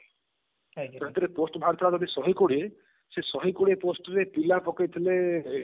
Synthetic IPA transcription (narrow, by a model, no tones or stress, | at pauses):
ɾɔt̪iɾeposʈɔbʱaɾt̪ʰɔɾad͡ʒɔd̪ʱisɔɦikoɽie | sesɔɦikoɽieposʈɔɾepilapɔkajt̪ʰile